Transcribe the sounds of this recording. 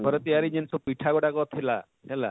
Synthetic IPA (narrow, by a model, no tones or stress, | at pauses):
pɔɾet̪iaɾid͡ʒensɔpiʈʰakɔʈakɔt̪ʰila̰ | ɦela̰